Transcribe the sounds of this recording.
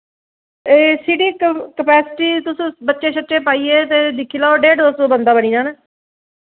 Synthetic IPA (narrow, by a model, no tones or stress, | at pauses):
eːsiɽiːkəpɛːsɪʈiːt̪ʊsːbətːʃeːt͡ʃʰətːʃẽːpaːiːeːt̪̬eːd̪ɪkʰːiːlaːoɖeːɖ̪oːsoːbənd̪aːbəniːnãːneː